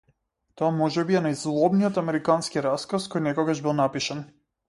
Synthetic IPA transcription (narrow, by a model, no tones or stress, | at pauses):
t̪ɔamɔʒɛbiɛnajzlˠɔbniɔt̪amɛɾikanskiɾaskaskɔjnɛkɔɡaʒbilˠnapiʃan